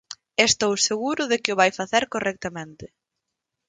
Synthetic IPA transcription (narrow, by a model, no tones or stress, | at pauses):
est̪owseɣuɾʊðekɪʊβajfaθɛɾkorɛk̚t̪amẽnt̪ɪ